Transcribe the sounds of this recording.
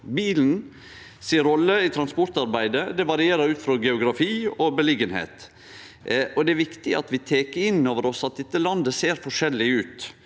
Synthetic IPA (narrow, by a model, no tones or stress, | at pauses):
biːln̩ | siːɾɔlːəɪt̪ʰɾɑnspɔɾt̪ɑɾbæɪd̪əd̪ɛʋɑɾɪeːɾəɾʉːt̪fɾɔɡɛʊɡɾɑfiːɔbəlɪɡənhḛːt̪ | ɔd̪ɛæɾʋɪkt̪ɪɑ̰t̪ʋɪt̪ʰeːkəɪnːoːʋəɾɔsɑt̪̚d̪ɛt̪ːəlɑnd̪əseːɾfɔʂɛlːɪʉːt̪